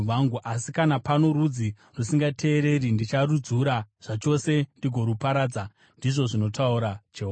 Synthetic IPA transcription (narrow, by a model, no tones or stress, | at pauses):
ʋaŋɡuʔasikanapano̞ɾud͡zi | rusiŋɡatʰe̞ːɾe̞rindit͡ʃarud͡zuɾaʐ̥at͡ʃo̞se̞ndiɡʱo̞ɾupaɾaːd͡za | ndiʐo̞ʐino̞tʰauɾat͡ʃeu